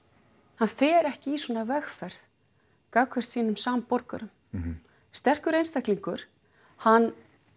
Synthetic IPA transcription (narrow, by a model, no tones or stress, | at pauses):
hanfɛːɾɛhcɪiswɔːnavɛxfɛɾθ | kawkʰvɛst̪siːnʏmsaːmpɔɾkaɾʏm | st̪ɛr̥kʏɾejnst̪ahkliŋkʏɾ̥ | hanː